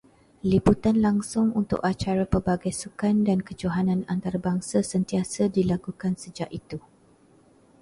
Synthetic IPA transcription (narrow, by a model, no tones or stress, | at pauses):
liput̪anlaŋsʊŋunt̪ʊ̰kat͡ʃaɾapərbaɡajsukandankəd͡ʒoɦanãnant̪aɾabaŋsasənt̪iasadilakukansəd͡ʒaʔit̪u